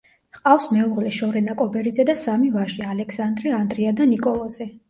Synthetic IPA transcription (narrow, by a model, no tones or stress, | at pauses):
qʼafsmɛuʁlɛʃɔɾɛnakʼɔbɛɾid̪zɛd̪asamivaʒialɛksand̪ɾiand̪ɾiad̪anikʼɔlˠɔz̥ɛ